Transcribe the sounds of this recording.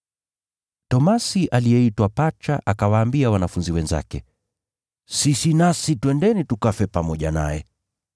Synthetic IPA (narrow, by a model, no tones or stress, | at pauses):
tɔmasiʔalijɛitwapat͡ʃaʔakawaːmbiawanafunziwɛnza̰kɛ̰ | sisinasitwɛndɛnitukafɛpamɔʄana̰jɛ